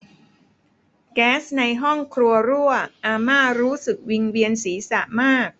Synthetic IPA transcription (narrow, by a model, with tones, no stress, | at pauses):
kɛː˦˥sna˧jɦɔ˥˩ŋkʰɾu˧ɐɾu˥˩əʔaː˧maː˥˩ɾuː˦˥sɯ˨˩k̚wi˧ŋwi˧ənsiː˩˦sa̰˨˩ʔmaː˥˩k̚